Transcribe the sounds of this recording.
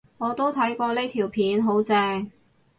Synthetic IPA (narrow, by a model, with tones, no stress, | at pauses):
ŋɔː˨˧t̪o˥wt̪ʰɐ˨˥jkɔː˧le˥jt̪ʰiː˨˩wpʰiː˨˥nɦo˨˥wt͡sɛː˧ŋ